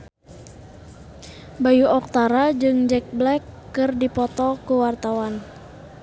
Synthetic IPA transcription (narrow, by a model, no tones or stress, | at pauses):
bajuɔk̚t̪aɾad͡ʒɨŋd͡ʒɛk̚blɛkːɨrdipɔt̪ɔkuwart̪awan